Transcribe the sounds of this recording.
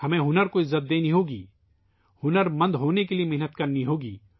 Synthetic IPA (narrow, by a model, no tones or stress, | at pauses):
hɐmẽɦʊnəɾkoɪzːət̪̚d̪eːniɦoːɡiː | hʊnəɾmɐ̃nd̪ɦoːnekeliemɛɦnət̪kɐɾniɦoːɡḭː